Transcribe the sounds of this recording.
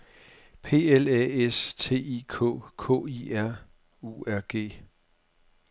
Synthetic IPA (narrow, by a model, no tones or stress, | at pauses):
pʰe̝̰ːelɛest͡sʰe̝̰ːikʰɔ̰̽ːkʰɔ̰̽ːiæɐ̰ | uæɐɡ̥e̝̰ː